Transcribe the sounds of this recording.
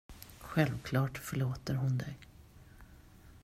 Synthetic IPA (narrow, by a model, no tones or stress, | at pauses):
ɧɛlvkʰlɑːʈfœɭoːt̪əɾɦʊnd̪ɛ̰ɡ